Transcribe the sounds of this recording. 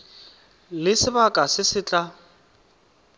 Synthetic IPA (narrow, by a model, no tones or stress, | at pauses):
lɪsɪbakʼasɪsɪt͡ɬʼa